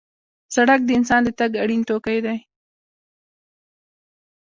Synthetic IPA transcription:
saɽak̚d̪əɪnsɑnd̪ət̪aɡaɽint̪okajd̪aj

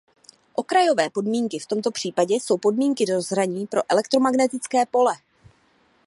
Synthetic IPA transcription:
ʔo̞kɾajovɛːpo̞dmiːŋkɪft̪o̞mt̪o̞pr̥iːpaɟɛso̞wpo̞dmiːŋkɪdo̞zɾaɲiːpɾo̞ʔɛlɛk̚t̪ɾo̞maɡnɛt̪ɪt͡skɛːpo̞lɛ

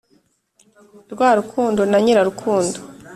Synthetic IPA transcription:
ɾɡwaːɾukʰuːndo̞naɲiɾaɾukʰuːndo

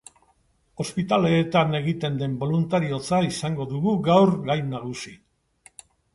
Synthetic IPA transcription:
o̞spit̪ale̞ːt̪ane̞ɣit̪e̞nd̪e̞mbo̞lunt̪aɾio̞t͡saisaŋɡo̞ðuɣuɡawrɡajnaɣ̞usi

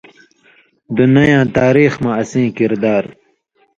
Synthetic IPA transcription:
d̪unɐjãːt̪aːɾiːxmaːsĩːkiɾd̪aːɾ

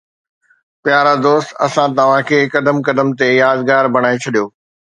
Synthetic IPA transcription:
pjaːɾad̪oːst̪̆ɐ̰sãt̪ɐʋ̤ãkʰeːkɐd̪əmkɐd̪əmt̪ejaːzɡaːɾbʱɐɽ̃aːet͡ɕʰɐɗijoː

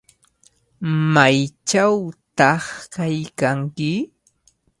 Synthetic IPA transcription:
majt͡ʃawt̪ɑχkajkaŋkɪ

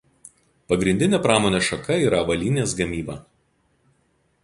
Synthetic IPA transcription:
pɐɡɾʲɪnʲd̪ʲɪnʲeːpɾɑːmoːnʲeːʃɐkɐiːɾɐʋɐlʲiːnʲeːsɡɐmʲiːbɐ

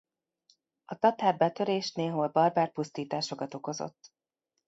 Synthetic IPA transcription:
ɒt̪ɒt̪aːrbɛt̪ø̞ɾeːʃneːɦoːlbɒrbaːrpust̪iːt̪aːʃo̞kɒt̪o̞ko̞zo̰t̪ː

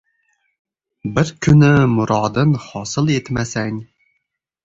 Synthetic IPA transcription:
bɪɾkʲʰynɪmʊɾɑːd̪ɨnhɑːsɨlˠet̪mæsɛŋʲ

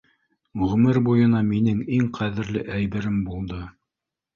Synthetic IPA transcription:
ɵʁɵ̆mɘɾbujɤ̆nɑminɘŋiŋqʰæðɘ̆ɾlɘʔæjbɘ̆ɾɘmbulˠd̪ɤ

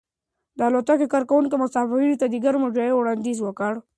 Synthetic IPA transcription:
d̪əalot̪akekɑɾkawunkemʊsɑfinit̪ad̪iɡaɾmʊd͡ʒajewɽɑnd̪izwəkəɽ

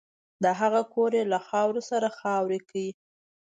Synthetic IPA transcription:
d̪əɦaɣakoɾelaxɑwɾosaɾaxɑwɾekawi

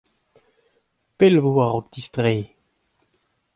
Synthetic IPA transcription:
pɛlvoaʁɔk̚d̪ist̪ʁeː

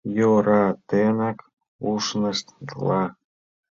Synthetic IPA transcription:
joɾɑt̪enɑk | uʃnəʃt̪d̪lɑ

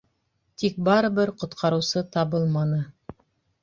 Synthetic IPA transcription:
t̪ik̚bɑɾɤ̆βɘɾqŏt̪qʰɑɾɤ̆wsɤt̪ɑβɤlˠmɑnɤ

